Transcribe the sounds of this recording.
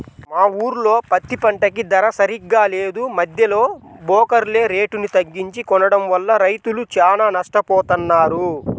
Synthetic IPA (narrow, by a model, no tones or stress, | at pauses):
maːuːɾulo̞ːpɐt̪ːipɐɳʈɐk̬id̪ɐɾɐsɐɾiɡːaːle̞ːd̪umɐd̪ʱjɐlo̞ːbɔːkɐɾle̞ːɾe̞ːʈunit̪ɐɡːiɲt͡ʃikɔnɐɽɐmʋɐlːɐɾɐjt̪ulut͡ʃaːnaːnɐʂʈɐpɔːt̪ɐnːaːɾu